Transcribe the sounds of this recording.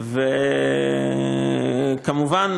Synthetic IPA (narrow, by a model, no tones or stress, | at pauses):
ve | kamuvan